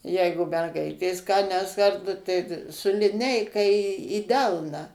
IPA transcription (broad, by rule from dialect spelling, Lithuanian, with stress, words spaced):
ˈjɛɪɡʊ mʲɛrˈɡɐɪtʲeːs kɑː nʲɛs ˈkɐrtɐ tɐɪ tɐ sʊ lʲɪˈnʲɛɪkɐ iː iː ˈdʲɛlˠnɑː